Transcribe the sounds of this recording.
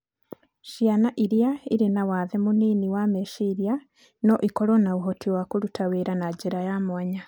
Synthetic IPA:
ʃjanaʔiɾjaiɾinawaðemuniːniwameʃiɾja | noʔikoɾonauɦotiwakuɾutʰaweɾanaɟiɾajamwaɲa

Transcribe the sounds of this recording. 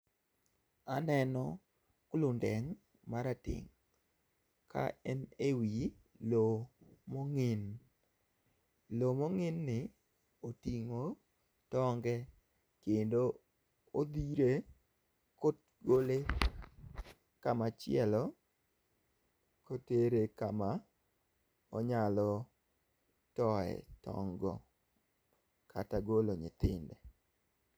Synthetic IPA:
anɛnɔ | klʊndɛŋ | maɾatɪ̰ŋ | ka̰ɛnewi | lomɔŋɪn | lomɔŋɪnːɪ | otiŋo | tɔŋɡɛ | kendo | od̪iɾe | kot̚ | ɡole | kamat͡ʃɪjɛlɔ | koteɾekama | ɔɲalɔ | tɔɛ̰tɔ̰ŋɡɔ | kʰataɡoloɲɪt̪ɪndɛ

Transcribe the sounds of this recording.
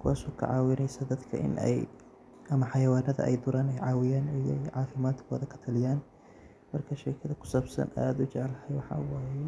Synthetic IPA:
kʰʊwaːsɔːkʰɐ̰ʕɑːwɪnɛjsɐd̪ɐd̪kʰɐ̰ʔɪ̰nɛ̰j | ʔɐmɐħɑjɐwaːnɐðɐ̰ʔɛ̰jd̪ʊɾaːnɛjʕɑːwɪjaːnɪj̰jʕɑːfɪmaːd̪kʰɔːðɐkʰɐ̥t̪ʰɐlɪjaːn | mɐrkʰɐʃɛːkʰɐðɐkʰʊ̥saːbsɐ̰na̰ːd̪ʊt͡ʃɛʕɛlɐhɐjwɑħɑ̰waːjɛ

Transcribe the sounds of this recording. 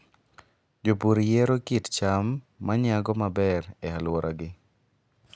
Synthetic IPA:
d͡ʒopuɾijeɾokitt͡ʃamː | aɲɪaɡɔmabɛɾɛalwɔɾʔaɡɪ

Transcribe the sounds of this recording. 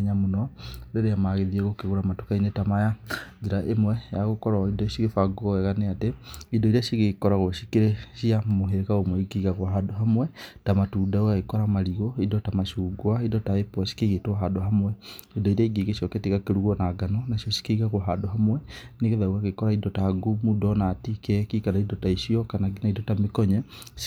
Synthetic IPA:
ɲamonɔdeɾeamaɣeðieɣokeɣoɾamato̥kainetamajad͡ʒeɾaʔemwɛjaɣokɔɾaidɔʃiɣefaɡɔɛɣaneateidɔiɾeaʃiɣekɔɾaɣoʃikeɾeʃiamoɦeɾeɣaomwɛiɡiɣaɣwaɦadoɦamwɛtamatuːdaoɣaɣekɔɾamaɾiɣɔidɔtamaʃuɡwaidɔtaepɔʃi̥keɣetwaɦadoɦamwɛidɔiɾaiɡiɣeʃiɔketiɣakeɾuɣɔnaɡanɔnaʃjɔʃi̥keɣaɣwaɦadoɦamwɛneɣeðawaɣekɔɾaidɔtaɡumudɔnatikɛkikanaidɔtaiʃiɔkanaɡinaidɔtamekɔɲɛ

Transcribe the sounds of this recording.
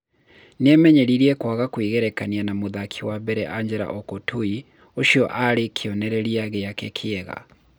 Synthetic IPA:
nɛmɛɲɛɾiɾiɛkwaɣakwiɣɛɾɛkanianamoðakʰiwabɛɾɛ̰ʔaɲd͡ʒɛɾa̰ʔɔkotʰui | oʃiɔʔaɾekʰiɔnɛɾɛɾiaɣejakekʰeɛɣa̰

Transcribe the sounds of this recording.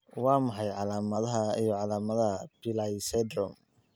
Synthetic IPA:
wɑːmɐħɑjʕɑlaːmɐðɐɦɐijɔʕɑlaːmɐðɐɦɐb̥ɪlajsɛd̪rɔm

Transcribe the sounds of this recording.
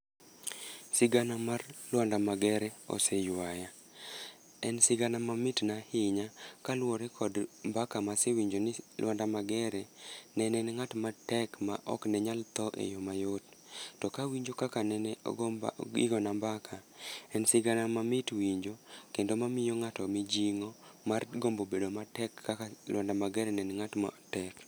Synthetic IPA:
sɪɡanamarlwandamaɡɛɾɛɔ̰sɛjwaja | ɛnsɪɡanamamɪtnahɪɲakalwoɾɛkʰɔdmbakamasewiɲd͡ʒonɪlwandamaɡɛɾɛnɛnɛnŋatmatɛkmaʔɔ̰knɛɲalt̪ɔʔḛjomajottɔkawiɲd͡ʒokakanɛnɛ̰ | ḭɡɔnambakʰaɛnsɪɡanamamɪtwiɲd͡ʒokendomamɪjoŋatɔmid͡ʒiŋomarɡombobedomatɛkːaalwɔndamaɡɛɾɛnɛnŋatma̰tɛk

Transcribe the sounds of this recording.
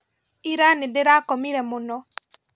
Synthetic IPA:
iɾanedeɾakɔmiɾɛmonɔ

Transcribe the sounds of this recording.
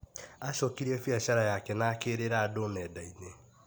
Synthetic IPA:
aʃɔkiɾɛfiaʃaɾajakɛnakeɾeɾaadonɛdaine

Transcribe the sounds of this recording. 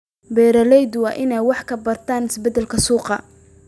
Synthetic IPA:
bɛːɾɐlɛjd̪wɑːʔɪnɛjwɑħkʰɐbɐrt̪ʰaːnɪsbɛd̪ɛlkʰɐsuːqɑ̰

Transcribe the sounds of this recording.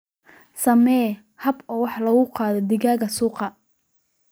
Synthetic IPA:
sɐmɛː | hɐbɔːwɑħlɐɣʊqɑːðɔd̪ɪɣaːɣɐsuːqɑ

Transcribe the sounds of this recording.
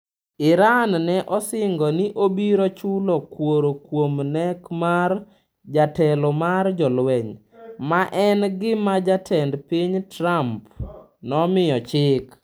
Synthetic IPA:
ɪɾannɛʔɔsɪŋɡɔniʔobiɾot͡ʃulɔkwoɾokwomnɛkmar | d͡ʒatɛlɔmard͡ʒɔlwɛɲ | maʔɛnɡɪmad͡ʒatʰɛndpiɲtɾamp | nɔmɪjɔt͡ʃɪk

